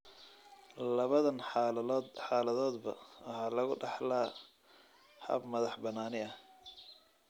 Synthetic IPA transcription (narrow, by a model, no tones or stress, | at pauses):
lɐβɐðɐnɑlːd̪ħɑːlɐðɔːd̪bɐ̰ɐhɑlɐɣʊɖɑħlaː | hɐ̰bmɐðɑħbɐnaːnɪɐh